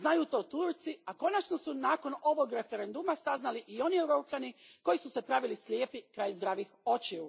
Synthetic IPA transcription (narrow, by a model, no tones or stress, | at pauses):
znajut̪o̞ːt̪uːɾt̪siako̞nat͡ʃnosunaːko̞no̞ʋo̞ɡɾe̞fe̞ɾend̪umasaznaliʔio̞niewɾo̞ːpʎaniko̞jisuse̞pɾaʋilislʲjeːpikɾaːjzd̪ɾaːʋixo̞t͡ʃiu